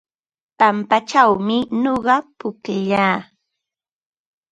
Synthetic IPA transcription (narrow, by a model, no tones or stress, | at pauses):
pampat͡ʃawmɪnoɢɑpʊkɪʎaː